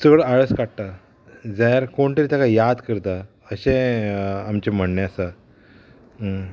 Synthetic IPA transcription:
səɡɽəaɭəskaʈ̚t̪a | d͡zajaɾkoɳʈ̪əɾit̪akajad̪kəɾt̪a | əɕẽ | amt͡ɕem̤əɳneəsa

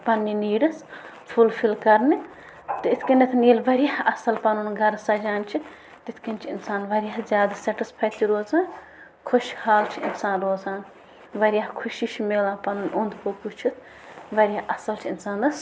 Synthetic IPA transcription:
pɐnːiniːɖɨs | pʰulpʰilkɐɾni | t̪ɨɪt̪ʰʲkɐnit̪ʰniːlʋɐɾjahɐsɐlpɐnunɡʱɐɾsɐd͡ʒaːnʲt͡ʃʰi | t̪ɪt̪ʰkɐnʲt͡ʃʰɪnsaːnʋɐɾjaɦzʲjaːd̪asɐʈispʰɐːt̪iɾoːzãː | kʰʊʃhaːlt͡ʃʰiɪnsaːnɾoːzãːn | ʋɐɾʲjaɦkʰʊʃit͡ʃʰimeːlãːpɐnunʲʔond̪koput͡ʃʰut̪ʰ | ʋɐɾʲjaʔɐsɐlt͡ʃʰiɪnsaːnɐs

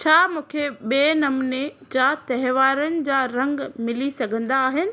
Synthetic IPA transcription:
t͡ɕʰaːmũːkʰeɓeːnɐmned͡ʑaːt̪ɐɦʋaːɾənɪ̆d͡ʑaːɾɐ̃ŋɡmɪlisɐɡʱə̃nd̪aːɦɪnɪ̆

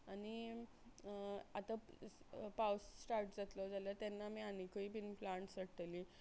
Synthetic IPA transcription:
añi | at̪a | pawsːʈaɾʈd͡zat̪lɔd͡zaljət̪janːamiːanikəiːpinplãɳʈsəʈli

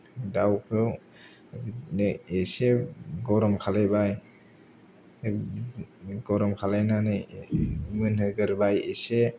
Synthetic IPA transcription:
dawkʰɯw | neseɡɔɾɔmkʰalajbaj | ɡɔɾɔmkʰalajnanɯ | mɯnhɯɡɯɾbajese

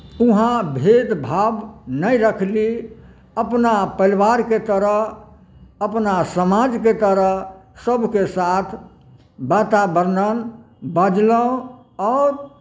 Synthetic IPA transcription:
uɦãbʱed̪bʱabnəjɾəkʰli | əpnapəlʋaɾket̪əɾəɦ | əpnasəmad͡ʒket̪əɾəɦsəbʱkesat̪ʰ | bat̪abəɾnən | bəd͡ʒləõ | ɔɾ

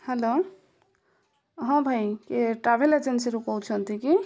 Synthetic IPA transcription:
helo | ɦãbʱajkeʈɾabʱeled͡ʒensiɾukɔwt͡ʃʰənt̪ʰiki

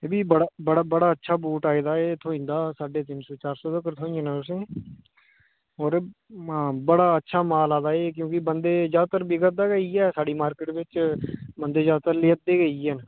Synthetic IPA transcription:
ebiːbəɽabəɽabəɽaːətːʃʰaːbuːʈaːeːd̪aːeːt̪ʰoːɪ̃nd̪aːsaːɖeːt̪ɪnsoːt͡ʃaːɾsoːd̪əkəɾt̪ʰoːɪ̃nɛ̃ʊs̬ẽː | ɔːɾː | bəɽaːətːʃʰaːmaːlaːd̪aːeːkjõːkɪbənd̪eːzjaːd̪̚t̪əɾbɪɡət̪̚d̪aːɡəiːɛːsaːɖiːmaːɾkɪʈbɪt͡ʃbənd̪eːzaːd̪t̪əɾleːət̪̚d̪eːɡəiːən

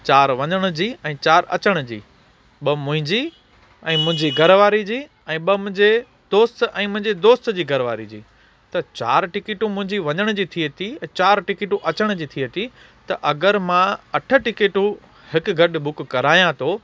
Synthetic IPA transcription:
t͡ɕaːɾʋɐɲəɽ̃̆d͡ʑiːɛ̃ːt͡ɕaːɾɐ̰t͡ɕəɽ̃ʊd͡ʑḭː | ɓɐmʊ̃ɦɪ̃ɲd͡ʑiː | ɛ̃ːmʊ̃ɦɪ̃ɲd͡ʑiɡʱɐɾʋaːɾid͡ʑiː | ɛ̃ːɓɐmʊ̃ɦɪ̃ɲd͡ʑe | d̪oːst̪ɛ̃ːmʊ̃ɦɪ̃ɲd͡ʑed̪oːst̪d͡ʑiːɡʱɐɾʋaːɾid͡ʑḭː | t̪ɐt͡ɕa̰ːɾʈɪkɪːʈũmʊ̃ɦɪ̃ɲd͡ʑiʋɐɲəɽ̃d͡ʑiːt̪ʰiət̪ʰiɛ̃ːt͡ɕaːɾʈɪkɪʈũʔɐt͡ɕəɽ̃d͡ʑiːt̪ʰiət̪ʰi | t̪ɐʔɐɡəɾmãɐʈʰə̆ʈɪkeːʈũ | hɪkɡʱɐɗbʊkːɐɾaːijãt̪ʰoː

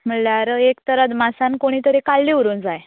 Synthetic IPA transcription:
m̤əlaɾekt̪əɾət̪masãnkoɽ̃iːt̪əɾekalːiʋuɾund͡zaj

